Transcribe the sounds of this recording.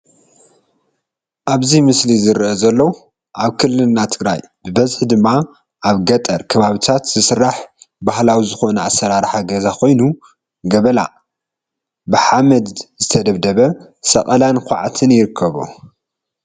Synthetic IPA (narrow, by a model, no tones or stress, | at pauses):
ʔaβzimɨslizɨɾʔozɐlːɐwu | ʔaβkʰɨlːɨlnːat̪ʰɨɡɾa̰j | bɨbɐzħd̪ɨmːa | ʔaβɡɐt̪ʼɐɾkʰɐβaβit̪ʰat̪zɨsɨrːaħbahlawizɨxo̞nɐasːɐɾaɾħaɡɐzakʰo̞jnu | ɡɐβɐla̰ | bɨħamɐd̪zɨt̪ʰɐd̪ɐβd̪ɐβɐ | sɐkʼɐlankʰʷaʕat̪ʰɨnjɪɾɨkʰːɐβṵ